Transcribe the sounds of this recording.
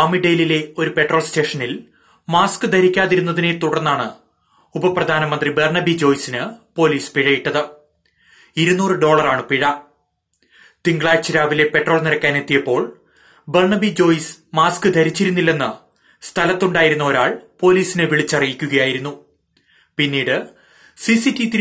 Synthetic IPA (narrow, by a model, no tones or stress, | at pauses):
ɐmiɖe̞jlile̞o̞ɾupe̞ʈro̞ːɭste̞ːʂɐnil | maːskɨd̪ʱɐɾikʲːaːðiɾunːɐðine̞t̪uɽɐrnːaːɳɨ | ubɐprɐd̪ʱaːnɐmɐnd̪riberɳɐbid͡ʑo̞ːjsinɨpo̞ːliːspiɻɐjiʈːɐðɨ | iɾunːuːrɨɖo̞ːɭɐraːɳɨpiɻɐ | t̪iŋɡɭaːɾt͡ɕːiɾaːʋile̞pe̞ʈːro̞ːɭniɾɐkʲːaːne̞t̪ːijɐpːo̞ːɭ | berɳɐbid͡ʑo̞ːjs | maːskɨd̪ʱɐɾit͡ɕːiɾunːilːe̞nːɨ | st̪ʰɐlɐt̪ːuɳɖaːjiɾunːɐoɾaːɭpo̞ːliːsinɨʋiɭit͡ɕːɐrijikʲːuɣɐjaːjiɾunːu | pinːiːɽɨ | sisitːit̪i